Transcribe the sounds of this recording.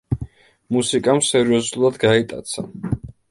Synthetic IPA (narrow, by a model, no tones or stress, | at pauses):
musikʼamsɛɾiɔzulˠad̪ɡait̪ʼa̰t̪sʰa̰